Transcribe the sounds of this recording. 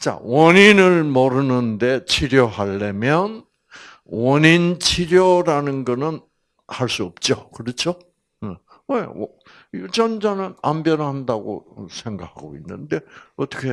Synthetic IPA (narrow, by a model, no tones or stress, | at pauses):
t͡ɕ͈a̰wʌɲinɯɭmʌɾɯnɯnde̞t͡ɕʰiɾjʌɦaɭːemjʌn | wʌɲint͡ɕʰiɾjʌɾanɯnɡʌnɯn | haɭs͈uʌp̚t͡ɕ͈okɯɾʌt͡ɕʰo | e | wew | ud͡ʑʌnd͡ʑanɯnambjʌnhandaɡo̰sʰe̞ŋɡak̚ʰaɡoinːɯnde̞ʌt͈ʌkʰe